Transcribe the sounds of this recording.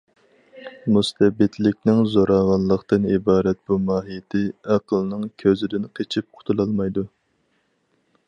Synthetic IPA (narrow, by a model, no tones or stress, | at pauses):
must̪ɛbɪt̪lɪkʲnɪŋzoɾɑʁɑnlˠːəqt̪ɨnibɑːɾɛt̪̚b̥umɑːɦijɪt̪ʰɪɑqʰəlˠnɨŋkʲʰøzɪd̪ɪnqʰet͡ʃʰip̚qʰʊ̥t̪ʰulˠɑlˠmɑjd̪u